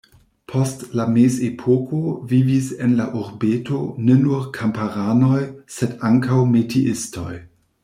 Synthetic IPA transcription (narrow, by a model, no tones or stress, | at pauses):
pʰostlamesepʰokovivise̞nlaʔuɾbeto̞̰nenuɾkʰampaɾanojsedaŋkawmetʰiʔisto̰j